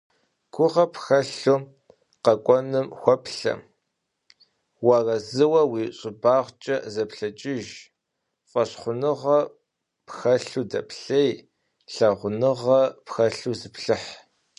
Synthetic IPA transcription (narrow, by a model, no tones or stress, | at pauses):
ɡ̥ʷʊʁɐpxɐɬu | qɐkʷʼɔnɨmxʷɔpɬɐ̰ | wɑrɐzɨwɐwiːɕʼɪbaːʁʷt͡ʃʼɐzɐpɬɐt͡ʃʼɪʒ | fʷʼɐɕχʷʊnɨʁɐ | pxɐɬudɐpɬej | ɬɐʁʷʊnɨʁɐpxɐɬuzɨpɬɨħ